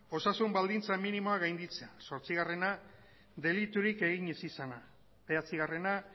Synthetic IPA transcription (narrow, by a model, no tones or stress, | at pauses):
o̞sasumbald̪int͡saminimo̞aɣajnd̪it͡seaso̞ɾt͡siɣare̞na | d̪e̞lit̪uɾike̞ɣ̞iɲe̞sisana | βe̞at͡siɣare̞na